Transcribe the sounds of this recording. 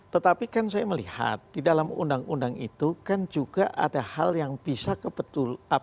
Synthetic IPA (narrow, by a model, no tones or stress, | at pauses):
t̪ət̪apikans̬ajaməliha̰t̪̚d̥idalamṵndaŋundaŋit̪ukand͡ʒuɡaʔa̰dahaljaŋbisakəpət̪ula